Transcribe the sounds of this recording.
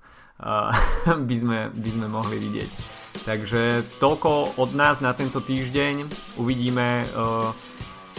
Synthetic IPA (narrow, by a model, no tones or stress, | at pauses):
bizmɛbizmɛmɔɦliʋiɟɪɛ̰ct̪aɡʒɛt̪ɔlkɔɔd̪naːznat̪ɛnt̪ɔt̪iːʒɟɛɲ | uʋiɟiːmɛ